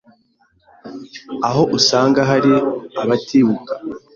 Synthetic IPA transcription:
aɦo̞ʔusaːŋɡaɦaɾiaβatiβukḁ

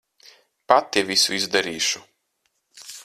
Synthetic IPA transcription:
pat̪ːiɛvʲisṵizd̪aɾiːʃu

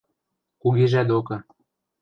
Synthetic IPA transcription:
kuɣeʒæd̪okɤ̆

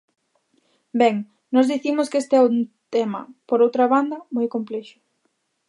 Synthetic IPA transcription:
bɛŋ | nɔzðiθimʊskest̪eɛʊt̪ɛmɐ̰poɾowt̪ɾɐβand̪ɐmojkomplɛʃʊ̥

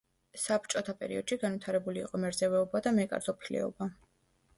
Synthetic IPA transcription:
sapt͡ʃʼɔt̪ʰapʼɛ̰ɾḭɔd̪̥ʃiɡanvit̪ʰaɾɛbuliːqʼɔmɛɾzɛvɛɔbad̪amɛkʼa̰ɾzɔpʰilɛ̰ɔ̰ba

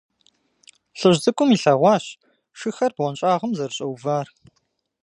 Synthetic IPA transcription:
ɬɨʑzʼɨkʷʼʊmiːɬɐʁʷɑːɕ | ʃɨxɐrb̥ʁʷɔnɕʼaːʁəmzɐrɕʼɐwvaːr

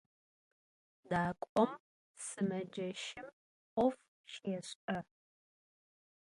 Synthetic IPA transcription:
daːkʷʼɔm | sɨmɐd͡ʒɐʃɪm | ʔʷɔf | ʃjɛɕʼɐ

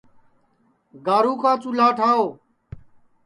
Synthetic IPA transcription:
ɡaːɾuːkʰãːt͡ʃʊlaːʈʰaːoː

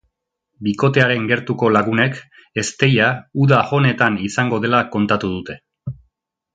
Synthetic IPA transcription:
biko̞t̪e̞aɾe̞ŋɡe̞ɾt̪uko̞laɣune̞k | e̞st̪e̞jauðaho̞ne̞t̪anisaŋɡo̞ðe̞lako̞nt̪at̪uð̞ut̪e̞

